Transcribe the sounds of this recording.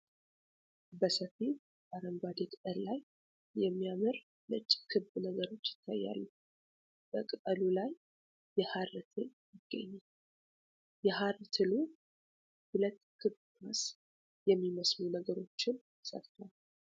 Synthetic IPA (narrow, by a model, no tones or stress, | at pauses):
bəsəfi | baɾəŋɡwad̪et̪ʼəɾlaj | jɛmːijamɨɾ | lɨt͡ʃʼːkʰɨbnəɡəɾo̞t͡ʃːjɪ̥t̪ʰːa̰jːa̰lːu | b̥əkʼɨt̪ʼəlulajː | ɛhaɾt̪ʰɨljɪɡ̥ːə̰ɲːa | jɛɦaɾt̪ʰɨlu | hʊlət̪kʰɨbkas | jɛmːiməsnunəɡəɾo̞t͡ʃːɪn | sə̰ft̪ʰwal